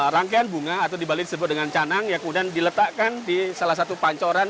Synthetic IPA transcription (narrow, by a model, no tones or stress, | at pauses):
ɾaŋkeanbuŋaːt̪awdibalidisəbʊt̪̚dəŋant͡ʃanaŋjaŋkəmudiandilət̪aʔkandisalahs̬at̪upaɲt͡ʃoɾan